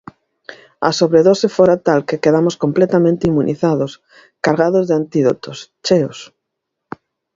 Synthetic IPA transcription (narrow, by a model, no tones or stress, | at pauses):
a̰soβɾeðosefoɾat̪alkekeðamoskomplɛt̪amẽnt̪eimunʔiθaðos | kaɾɣaðozðeant̪iðot̪ost͡ʃeos